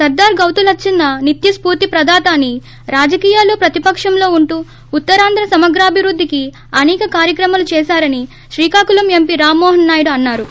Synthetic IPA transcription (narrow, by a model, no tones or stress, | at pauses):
sɐɾd̪aːɾɡɐwt̪ulɐt͡ʃːinːɐnit̪jɐspuːɾt̪ipɾɐd̪ʱaːt̪aːnːi | ɾaːd͡ʒɐkiːjaːloːpɾɐt̪ipɐkʂɐmlo̞ːuɳʈuː | ut̪ːɐɾaːnd̪ɾɐsɐmɐɡɾaːbʱiɾud̪ʱːiki | ɐnɛːkɐkaːɾjɐkɾɐmaːlut͡ʃɛːʃaːɾɐni | ʃɾiːkaːkulɐmempiɾaːmːɔːɦɐnːaːjɽuɐnːaːɾu